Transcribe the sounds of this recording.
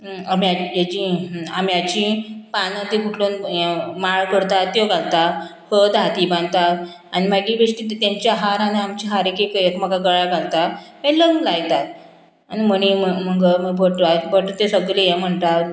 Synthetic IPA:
amjaed͡ʑiamjat͡ɕĩpanãt̪ikuʈʰlonmaɭkəɾt̪at̪ːjoɡalt̪a | həd̪ʱat̪ibãnd̪t̪at̪ | animaɡibeʂʈiːt̪aɲt͡ɕaɦaɾaniamt͡ɕiɦaɾekekekməɡaɡəɭaɡalt̪at̪meləŋlajt̪at̪ | animəɽ̃iməməɡəməɡbʱəʈabʱəʈot̪esəɡlejem̤əɳt̪at̪

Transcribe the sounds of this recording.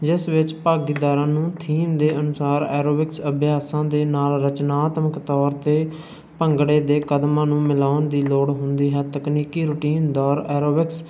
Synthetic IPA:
d͡ʒɪsʋɪt͡ʃpaːɡiːd̪aːɾãːnũːt̪ʰiːmd̪eːʔənʊsaːɾɛːɾoːbɪksəbjaːsãːd̪eːnaːlɾət͡ʃnaːt̪məkt̪ɔːɾt̪eː | pəŋɡɽeːd̪eːkəd̪mãːnũːmɪlaːʊnd̪iːloːɽɦʊnd̪iːɦɛːt̪əkniːkiːɾʊːʈiːnd̪ɔːɾɛːɾoːbɪks

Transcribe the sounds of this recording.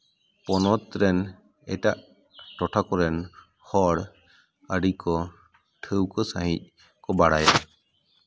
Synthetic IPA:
pɔnɔt̪ɾɛn | ɛʈaʔ | ʈɔʈʰakɔɾɛn | hɔɽ | əɖikɔ | ʈʰəwkɔsaɦic̚ | kɔbaɽaj

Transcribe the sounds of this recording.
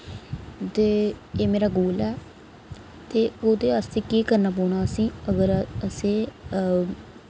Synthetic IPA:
t̪eːeːmeːɾaːɡoːlɛː | t̪eːoːd̪eːast̪eːkiːkəɾnaːp̬ɔːɽ̃aːəsĩːəɡəɾəsẽː

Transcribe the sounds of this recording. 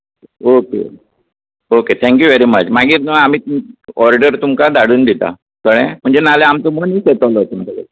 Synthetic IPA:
okḛ | oket̪ʰɛ̃ŋkjuʋeɾimət͡ɕmaɡiːɾnəamiːɔɾɖəɾt̪umkad̪aɽuːnd̪it̪a̰ | sʰəɽ̃ẽm̤əɳd͡zenaleamt̪omoniːset̪əlɔt̪umit̪əɡḛ

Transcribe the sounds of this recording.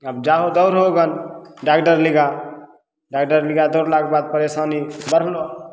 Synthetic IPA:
əbd͡ʒaɦod̪əʊɾɦoɡənɖakʈəɾliɡa | ɖakʈəɾliɡad̪əʊɾlaɡ̚bad̪̚pəɾesanibəɾɦlo

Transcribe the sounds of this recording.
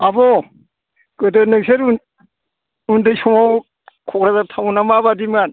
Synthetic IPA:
abɔ | kɯdɯnɯkseɾ | undɯjsɔŋaw | kʰɔkɾazatʰawnamabadiman

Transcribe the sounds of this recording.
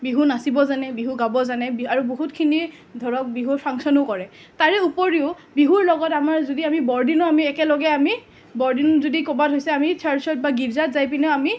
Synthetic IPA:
biɦunasibɔzanɛbiɦuɡabɔzanɛbaɹuboɦutkʰini | dʱɔɹɔk̚biɦuɹpʰaŋsɔnokɔɹɛ | taɹɛupoɹiʊ | biɦuɹlɔɡɔtamaɹzodiamibɔɹdinɔamiɛkɛlɔɡɛami | bɔɹdinzodikɔbatʰɦojsɛamitʰaɹsɔt̚baɡibzatzajp̬inɛami

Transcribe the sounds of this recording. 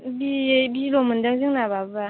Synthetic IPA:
bibilomɨndəŋziŋnababa

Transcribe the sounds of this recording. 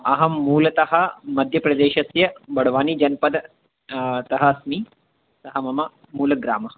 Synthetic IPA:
ɐɦɐmːuːlɐt̪ɐɦɐmɐd̪ʱjɐpɾɐd̪eːʃɐsjɐbɐɽ̤ʋaːniːd͡ʒɐnpɐd̪ | t̪ɐɦɐsmiː | t̪ɐɦɐmɐmɐ | muːlɐɡɾa̰ːmɐ

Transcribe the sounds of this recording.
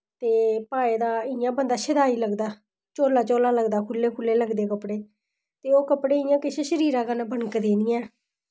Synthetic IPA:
t̪eːpaːeːd̪aːɪjãːbənd̪aːʃəd̪aːiːləɡd̪aː | t͡ʃoːlaːt͡ʃoːlaːləɡd̪aːkʰʊlːeːkʰʊlːeːləɡd̪eːkəpɽeː | t̪eːoːkəpɽeːɪjãːkɪʃeːʃəɾiːɾãːkənbənkd̪ẽːnɪjɛ̃ː

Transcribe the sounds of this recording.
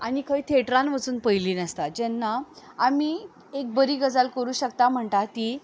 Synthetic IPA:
añikʰəiːt̪ʰeʈɾãnʋət͡suːnpəjliːnəst̪ad͡ʑɛnːaamiː | ek̚bəɾiːɡəd͡zalkəɾuːɕək̚t̪am̤əɳt̪at̪iː

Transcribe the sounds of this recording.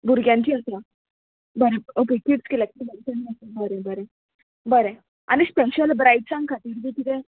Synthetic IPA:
buɾɡjãɲt͡ɕiːət̪ja | bəɾeokekiʈskilak̪iibəlisãnisebəɾẽbəɾẽ | bəɾẽ | a̰ñispeɕəlbɾaiʈ̚t͡sãŋɡ̚kʰat̪iːɾbʱit̪it̪e

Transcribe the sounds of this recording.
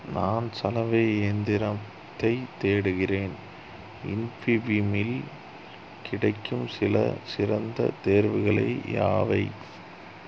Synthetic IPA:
naːnsɐlɐʋeːnd̪ɪɾɐ | t̪ːɐɪt̪eːɽɯɣɪreːn | ɪnfibimɪl | kʰɪɽɐɪkʰːɯmsɪlɐ̰sɪrɐnd̪ɐ̰t̪eːɾʋɪɣɐɭɐ̰ɪja̰ːʋɐɪ

